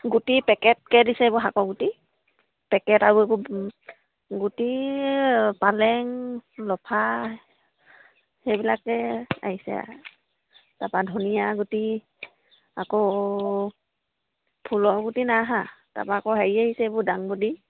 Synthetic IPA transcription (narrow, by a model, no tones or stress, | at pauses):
ɡutipɛkɛt̚kɛdisɛbɔɦakɔɡuti | pɛkɛtaɹueb | ɡuti | palɛŋlɔpʰa | hɛbilakːɛa̰ɦisɛ̰ | tapadʱunijaɡuti | ako | pʰulɔɡutinaɦata̰paːkɔɦaɹiahisɛbɔdaŋbudi